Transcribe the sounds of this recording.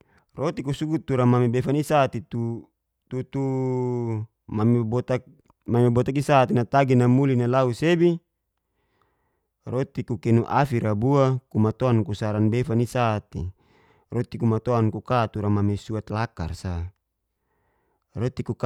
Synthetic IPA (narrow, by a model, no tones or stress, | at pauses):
rot̪ikusuɡut̪ːuɾamamibefanisat̪it̪u | t̪ut̪u | mambot̪a | mamebot̪ak̬isat̪inat̪aɡinamulinalausebi | rot̪ikukenuʔafiɾabuakumat̪oankusaɾanbefanisat̪ḭ | rot̪ikumat̪oankukat̪uɾamamisuat̪laka̰rsa | rot̪ikuk